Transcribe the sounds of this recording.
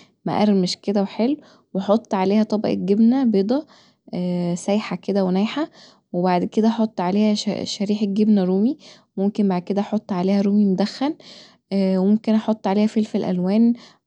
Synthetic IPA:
mæ̰ʔæɾmeʃked̪æweħelː | weħot̪ˤːʕaleːhæt̪ˤɑbeʔḛɡebnæbed̪ˤɑː | sæjħaked̪æwenæːjħa | webaʕd̪ked̪æʔɑħot̪ˤːʕaleːhæ̰ʃæɾiːħeɡebnæɾuːmi | momkembaʕd̪̚ked̪æʔɑħot̪ˤːʕaleːhæɾuːmimod̪æxːæn | wemomkenʔɑħot̪ˤːʕaleːhæfelfilʔæ̰lwæːn

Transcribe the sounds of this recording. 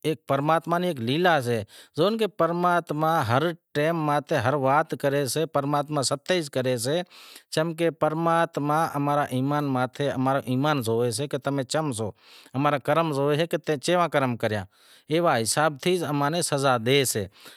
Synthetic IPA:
eːk̚pəɾmaːt̪maːnieːkliːlaːs̬eːzoːnk̬epəɾmaːt̪mãːɦəɾʈeːmːãːt̪ʰeɦəɾʋaːt̪kəɾeseːpəɾmaːt̪mãsət̪ːeɪd͡ʒkəɾeseːt͡ʃəmk̬epəɾmaːt̪mãːəmaːɾaʔiːmaːnmaːt̪ʰeə̰maːɾaʔiːmaːnsoːes̬eket̪əmẽt͡ʃəmsoː | əmaːɾakəɾəmzoːeseket̪ẽt͡ʃeːʋãːkəɾəmkəɾjã̰ː | eːʋaɦɪsaːb̚t̪ʰiːd͡ʒəmãːnesəzaːd̪eːsḛː

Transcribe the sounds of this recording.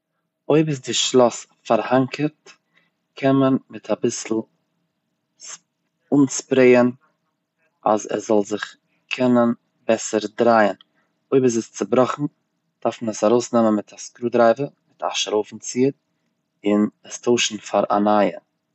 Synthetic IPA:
oɪbəs̬dɪʃlˠɔs | faɾhaŋkʰət | kʰɛnmənmɪtʰabɪsl̩ˠ | unspɾeɪən | ʔa̰zɛ̰zɔlˠzɪχ | kʰɛnən | bɛsəɾdɾaɪən | oɪbəs̬əst͡sɪbɾɔχn̩ | d̥aɾfmənəsaɾoʊsnɛmənmɪtʰaskɾuːdɾaɪvəmɪtʰa̰ʃɾoʊfn̩t͡siːɾ | ɪnəstʰoʊʃn̩faɾa̰naɪə̰

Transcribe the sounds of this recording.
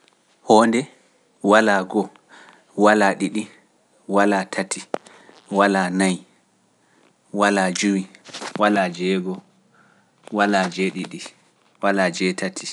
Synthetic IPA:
hɔndɛ | walaːɡɔ | walaɗiɗi | walaːtʰatʰi | walaːnaj | walad͡ʒuwiwalad͡ʒɛːɡɔ | walad͡ʒɛɗiɗi | walaːd͡ʒɛtatʰi̥

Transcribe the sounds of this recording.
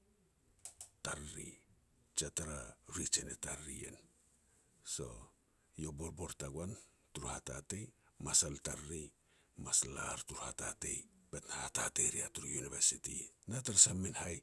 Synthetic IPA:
taɾɾḭ | t͡ʃataɾaɾit͡ʃenetaɾɾḭe̞̰n | so̞̰ | jo̞boɾbo̞ɾtaɡwan | tuɾuhatate̞jmasaltaɾɾi | maslaɾtuɾuhatate̞̰jbetnhatate̞jɾiatuɾujunibesitḭnataɾasamːenhaj

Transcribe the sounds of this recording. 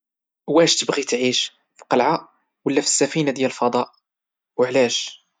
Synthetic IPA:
wæʃt̪əbɣit̪ʕiʃ | fiqəlʕa | wəlːæfi̥sːæfinad̪jælfɑd̪ˤɑʔ | wəʕlæʃ

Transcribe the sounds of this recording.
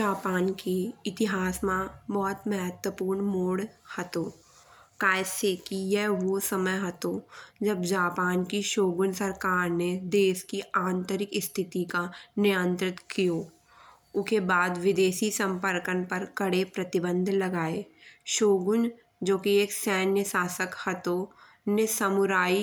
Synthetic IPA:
aːpaːnkiɪt̪ɪɦaːsmãbɔːt̪mɛɦət̪wəpuːɾɳmoːɽhɐt̪oː | kaːɪsekijɛɦʋosəməjɦɐt̪od͡ʒɐbd͡ʒaːpaːnkiʃoːɡʊnsɐɾkaːɾned̪eːʃkiãːnt̪əɾɪkɪst̪ʰɪt̪ikanɪjə̃nt̪ɾɪt̪kijoː | ʊkebaːd̪ʋɪd̪eːʃisə̃mpəɾkənpɐɾkəɽepɾɐt̪ɪbə̃nd̪ʱlɐɡaːeː | ʃoːɡʊn | d͡ʒoːkieːksɛːnjəʃaːsəkhɐt̪o | nesɐmʊɾaːi

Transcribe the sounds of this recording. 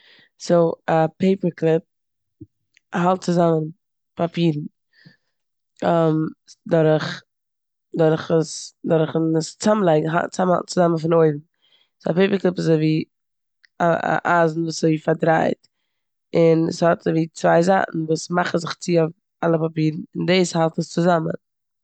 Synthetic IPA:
soʊapʰeɪpəɾklˠɪp̚ | ɦalˠt̚t͡sɪzamən | papiːɾn̩ | amdɔɾəχ | dɔɾχɪsdɔɾχnst͡samlˠaɪɡŋ̩ɦa̰t͡samha̰ltt͡sɪzamənfɪnoɪbm̩ | sa̰peɪpəklˠɪpazoɪviː | a̰a̰ʔaːzn̩vuːsovifaɾdɾaɪt | ɪnə̰shɔlˠtzoviːt͡svaɪza̰ːʔn̩vuːsmaχn̩zɪχt͡siɔf | alˠəpapiːɾn̩ɪndeːshalˠtəst͡sɪzamə̰n

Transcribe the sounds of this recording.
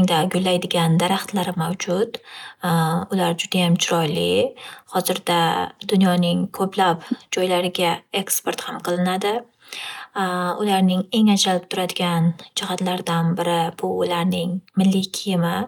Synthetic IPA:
ŋd̪aɡolːajd̪ɪɡʲand̪aɾaχt̪laɾɪmawd͡ʒʊt̪ | ʊlaɾd͡ʒʊd̪ajamt͡ʃʰɪɾɒjlɪhɒzɪɾd̪ad̪ʊnjɒnɪŋkʰɵplapd͡ʒɒjlaɾɪɡʲae̞kspe̞ɾt̪hamqʰɨlˠɪnad̪ɪ | ʊlaɾnɪŋe̞ŋad͡ʒɾalɪp̚t̪ʰʊɾad̪ɪɡʲand͡ʒɪχat̪laɾd̪anbɪɾɪb̥ʊːlaɾnɪŋmɪlːɪkʲʰɪjɪmɪ

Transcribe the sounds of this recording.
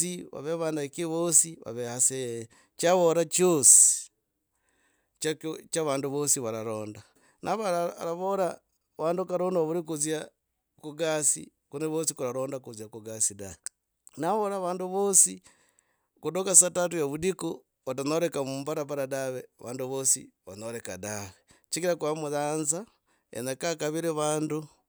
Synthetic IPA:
iβa̰βeβaːndakiβosiβa̰βehase | t͡ʃaβoɾat͡ʃosi̥ | t͡ʃaβaːnduβoːsiβaɾaɾo̞ːnda | nʔaβaaɾaβoɾa | βaːndukaɾoːndaβuɾikuzja | kuɡasḭ | kuneβoːsikuɾaɾo̞ːndakuzjakuɡasida̰βe | naβoɾaːβaːnduβoːsi | kudokasatatujaβudiku | βatanoɾekamuːmbaɾaβaɾadaβeβaːnduβoːsḭβa̰noɾekadaβet͡ʃikiɾakwamuðaːnza | ḛnakakaβiɾeβaːndu

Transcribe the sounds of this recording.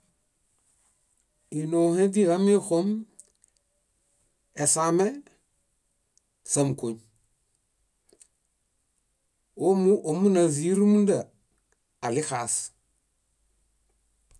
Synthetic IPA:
inohediɾamixom | esame | samkoɲ | omuʔomunaziɾumunda | alixaːs

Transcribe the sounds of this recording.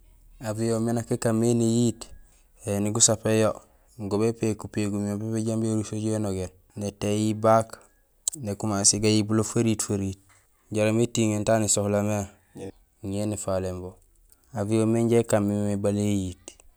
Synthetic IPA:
avijomenakekamːenijiːt | eniɡusapejo | ŋɡobepekupeɡumobepeɟambeɾusoɟoenoɡen | netejibak | nekumasiɡajibulofaɾiːtfaɾit̚ | ɲɟaɾomitiŋentanisoflame | ŋenifalembo | avijomeɲɟekamːimmebalejit

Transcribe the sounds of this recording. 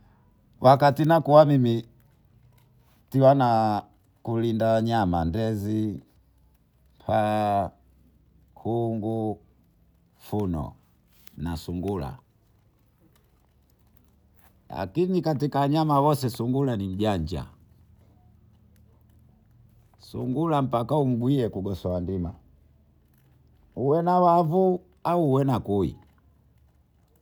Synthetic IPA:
wʔakatinakuwamimi | tiwana | kulindaɲamandɛzi | pʰa | kʰuŋɡu | funɔ̰ | nasuŋɡula̰ | la̰kinikatikaaɲamawɔsɛsuŋɡulanim̩ʄaɲd͡ʒa̰ | suŋɡulam̩pakaum̩ɡwiɛkuɡɔsɔandima | uwɛnawavu | auwɛnakuḭ

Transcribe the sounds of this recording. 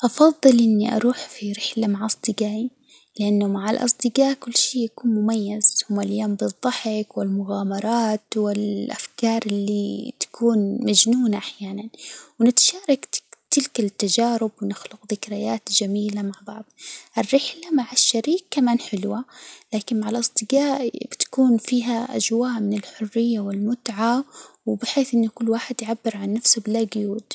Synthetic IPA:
ʔɑfɑðˤːɨlʔɪnːiʔɑ̰ɾˤuːħfiɾɪħlamaʕʔɑsˤd̪ɨɡɑːʔ | lɪʔanːʊmaʕalʔɑ̰sˤd̪ɨqɑːʔkʊlːʃiːjakuːnmʊmajːazhmaljaːmbɨðˤːɑħɪkwɪlmʊɣaːmɑɾˤɑːt̪wɪlʔa̰fkɑːɾˤʔɪlːit̪ḁkʰuːnmad͡ʒnuːnaʔaħjaːnanwnɪt̪ḁʃɑːɾˤɑkt̪ɪlkat̪ːad͡ʒaːɾɪbwɪnɪxlʊqðɪkɾajaːt̪d͡ʒamiːlamaʕbɑʕd̪ˤʔɪrːɪħlamaʕaʃːaɾiːkːamaːnħɪlwalaːkɪnmʕalʔɨsˤd̪ˤɨɡaːʔb̥ɪt̪ḁkuːnfiːɦaʔa̰d͡ʒwaːʔmɪnɪlħʊrːɪjːawɪlmʊt̪ʕa | wɪbɪħeːθʔɪnːakʊlːwaːħɪd̪jʕabːɪɾʕanːafsabɪlaːɡʊjuːd̪

